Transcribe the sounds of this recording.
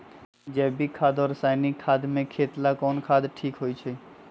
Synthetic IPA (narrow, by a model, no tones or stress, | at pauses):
d͡ʒɛːbʱikʰaːd̪ɔːɾsaːɪnɪkʰːaːd̪mẽkʰeːt̪lakɔːnkʰaːd̪ʈʰiːkɦoːit͡ʃʰe